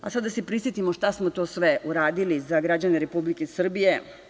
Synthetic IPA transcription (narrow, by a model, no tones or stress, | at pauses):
asad̪ːasepɾisjet̪imoʃt̪asmot̪o̞ːsʋe̞uɾaːd̪ilizaɡɾad͡ʑane̞ɾepublikesr̩bije̞